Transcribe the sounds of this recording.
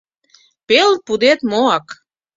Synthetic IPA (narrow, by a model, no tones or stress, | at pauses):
pelpud̪et̪moɑk